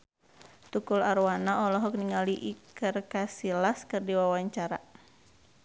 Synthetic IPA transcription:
t̪ukulaɾwanaɔlɔɦɔk̚niŋaliʔikərkasilaskɨrdiwawaɲt͡ʃaɾa̰

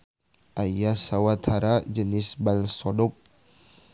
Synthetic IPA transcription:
ʔajjasawat̪ʰhaɾad͡ʒənɪsbalsɔdɔk̚

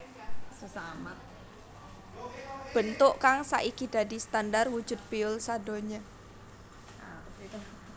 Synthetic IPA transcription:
səsamat̪̚ | b̥ənt̪ʊʔkaŋsa̰ʔikid̥̪ad̪i̤st̪andarwud̥d͡ʒ̥ʊ̤t̪̚piʊlsado̤ɲa | apsit̪u

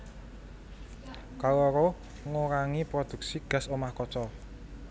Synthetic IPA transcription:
kawɔɾo | ŋoɾaŋipɾɔd̪̥ṳk̚siɡ̥ä̤somahkɔt͡ʃɔ

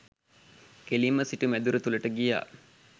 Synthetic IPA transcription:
kelimːəsiʈumæd̪uɾət̪uləʈəɡija̰ː

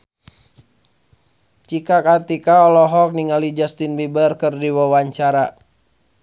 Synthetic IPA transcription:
t͡ʃikakart̪ikaɔlɔɦɔk̚niŋalid͡ʒast̪inbibərkɨrdiwawaɲt͡ʃaɾa

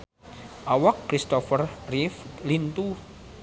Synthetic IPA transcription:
ʔawakːɾist̪ɔfərriflint̪u

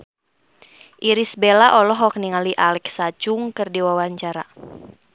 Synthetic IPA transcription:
ʔiɾisbelaʔɔlɔɦɔk̚niŋaliʔalɛksat͡ʃʊŋkɨrdiwawaɲt͡ʃaɾa̰

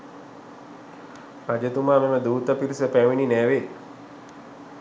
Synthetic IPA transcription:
mad͡ʒət̪umaːmeməd̪uːt̪əpiɾisəpæʋininæːʋe

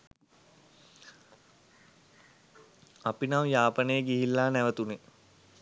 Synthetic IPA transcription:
apinamjaːpənəjəɡiɦilːaːnæʋət̪une

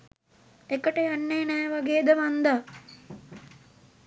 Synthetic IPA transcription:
ekəʈəjanːejnɛːʋaɡeːd̪əʋand̪a

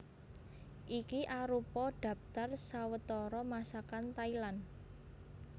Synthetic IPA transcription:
ʔikiʔaɾupɔɖ̥ä̤p̚t̪arsawət̪ɔɾɔmasakant̪ailan

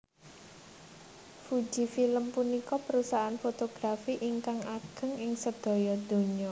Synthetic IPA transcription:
fud̥d͡ʒʒ̥i̤filəmpunikɔpəɾusaːnfot̪oɡ̥ɾafiʔiŋkaŋaɡ̥ə̤ŋɪŋsəd̪̥ɔ̤jɔd̪̥o̤ɲɔ

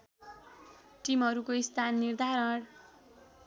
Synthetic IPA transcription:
ʈimʌɾukoist̪ʰanːird̪ʱaɾʌɽ

